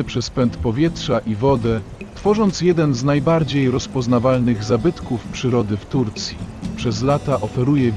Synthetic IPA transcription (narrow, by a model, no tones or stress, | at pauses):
pʂɛspɛnt̪pɔvʲjɛtʂaʔivɔd̪ɛ | t̪fɔʐɔnt̪sjɛd̪ɛnznajbaɾd͡ʑejɾɔspɔznavalnɘɣzabɘt̪kufpʂɘɾɔd̪ɘft̪uɾt̪sʲjipʂɛzlat̪aʔɔfɛɾujɛ